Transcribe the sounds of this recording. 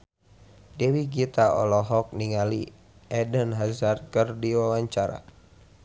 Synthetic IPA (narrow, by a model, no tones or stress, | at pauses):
dewiɡit̪aɔ̰lɔɦɔk̚niŋalḭ | ʔɛdənɦazarkərdiwawaɲt͡ʃaɾa̰